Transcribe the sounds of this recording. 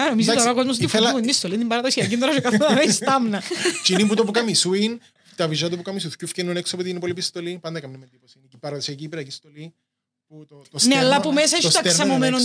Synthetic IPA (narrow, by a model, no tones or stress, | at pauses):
ɐnomizit̪oɾɐkozmos̬t̪iflmninist̪olind̪imbɐɾɐðosiɐcint̪oɾɐʃokɐθoɐmenist̪ɐmnɐt͡ʃinimput̪opukɐmisuin | t̪ɐviʒɐt̪upukɐmisuθcufcenːoneksɐpot̪inipolipist̪olipɐnd̪ɐkɐmnimːend̪iposinicipːɐɾɐðosiɐciːpiɾɐcist̪oli | put̪ot̪osneɐlːɐpumes̬ɐeʃsɐt̪ɾsɐmomenon